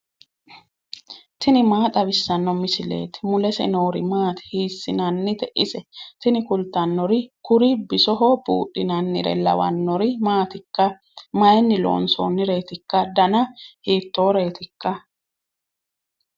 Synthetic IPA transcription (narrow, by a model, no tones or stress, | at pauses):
t̪ɪnɪmaːt̪ʼɐbɪsːɐnːɔmɪsɪle̞̰ːt̪ɪ̥mʊlɛsɛ̰noːɾɪ̰maːt̪ɪ̥hiːsːɪnɐnːɪt̪ɛʔɪsɛt̪ɪnɪkʊlt̪ːɐnːɔɾɪkʊɾɪbɪsɔɦɔbṵːʔːɪnɐnːɪ̰ɾɛ̰lɐ̰wɐ̰nːɔɾɪmaːt̪ɪkːɐ | mɐjɛnːɪlo̰ːnso̰ːnːɪɾe̞ːt̪ɪkːɐd̪ɐnɐhiːt̪ːoːɾe̞ːt̪ɪkːɐ